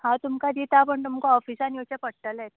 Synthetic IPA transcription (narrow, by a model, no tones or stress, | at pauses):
hãt̪umkad̪it̪apəɳt̪umkoɔfisanjot͡ɕepəɽʈ̪əlɛt̪